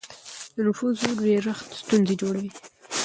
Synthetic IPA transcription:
d̪ənʊfuzoweɾəxt̪st̪unzed͡ʒoɽawi

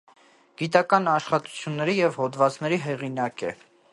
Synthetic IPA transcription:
ɡ̥it̪ɑkɑnɑʃχɑt̪u̥t͡sʰjunːɛɾijɛvhɔd̪vɑt͡snɛɾiɦɛʁinɑkɛ̰

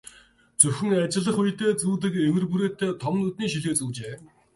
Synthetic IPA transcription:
t͡sɵxʲɵ̆ŋat͡ɕɪ̆ɮə̆χujt̪eːt͡suːt̪̬ɘ̆kewɘ̆rpuɾeːt̪eːt̪ʰɔmnut̪niːʃiɮɣeːt͡suːt͡ɕeː

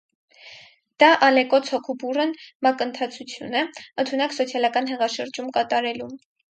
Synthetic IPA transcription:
d̪̥ɑʔɑlɛkɔt͡sʰhɔkʰuburənmɑkənt̪ʰɑt͡sʰut͡sʰjṵnɛənt̪ʰunɑksɔt͡sʰjɑlɑkɑn̪ɦɛʁɑʃəɾd͡ʒumkɑt̪ɑɾɛlu

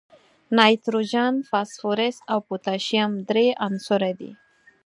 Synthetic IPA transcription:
najt̪ɾud͡ʒanfasfuɾesawput̪aʃiamd̪ɾeʔansoɾed̪ḭ

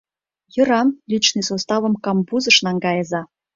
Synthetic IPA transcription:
jɤ̆ɾɑnlʲit͡ɕnɨsost̪ɑvɤ̆mkɑmbuzɤ̆ʃnɑŋɡɑjɤ̆zɑ

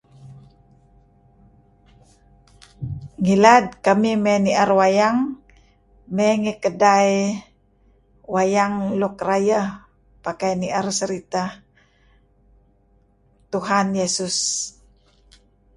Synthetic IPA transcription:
ŋilad̚kamimɛniarwajaŋ | mɛŋikədai | wajaŋlukraja | pakajniʔarsəɾit̪a | t̪uɦanjesus

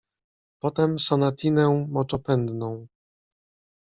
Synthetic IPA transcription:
pɔt̪ɛmsanat̪ʲʰinɛ̃mɔt͡ʂɔpɛnd̪nɔ̃w̃

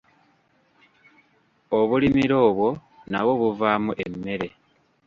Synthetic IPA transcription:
oβulimiɾo̞ːβwo̞ | na̰βo̞βuvaːmuʔe̞mːe̞ɾe̞

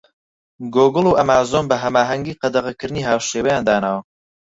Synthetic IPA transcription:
ɡoːɡɨlˠuːʔɐmaːzoːnbɐɦɐmaːɦɐŋɡiːqɐd̪ɐʁɐkɨɾɨniːɦaːwʃeːwɐjaːnd̪aːnaːwɐ

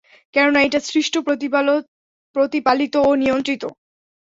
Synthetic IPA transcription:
kɛɾonaejʈasɾiʃʈopoi | pɾot̪ipalit̪oonijont̪ɾit̪o̰

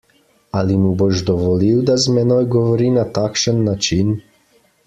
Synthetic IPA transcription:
alimubɔʒd̪ɔvɔliwd̪azmɛnɔjɡɔvɔɾinat̪akʃənːat͡ʃin

